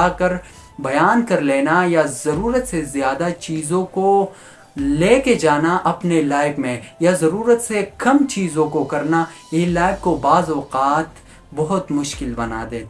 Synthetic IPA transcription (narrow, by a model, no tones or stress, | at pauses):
akɐɾ | bɐjaːnkɐɾleːnajazɐɾuːɾət̪sezjaːd̪at͡ʃiːzõko | leːked͡ʒaːnaʔɐpnelaːɪbmẽjazɐɾuːɾət̪sekɐmt͡ʃiːzõkokɐɾna | ɪlaːɪb̚kobaːzɔːqaːt̪ | bɐɦʊt̪mʊʃkɪlbɐna̰d̪ẽː